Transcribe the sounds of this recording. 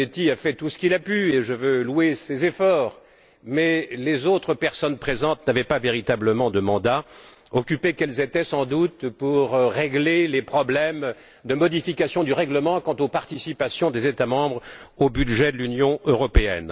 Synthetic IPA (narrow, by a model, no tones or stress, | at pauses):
et̪iafɛt̪usə̥kʲilapyeʒəvølwesezefɔːʁ | mɛlezot̪χəpɛʁsɔnpχezɑ̃t̪navɛpaveʁit̪abləmɑ̃d̪əmɑ̃d̪a | ɔkʲypekɛlzet̪ɛsɑ̃d̪ut̪puʁːeɡlelepχɔblɛm | d̪əmɔd̪ifikasjɔ̃d̪yʁɛɡləmɑ̃kɑ̃t̪opaʁt̪isipasjɔ̃d̪ezet̪amɑ̃bʁobyd̪ʒɛd̪əlynjɔ̃øʁɔpeɛ̰n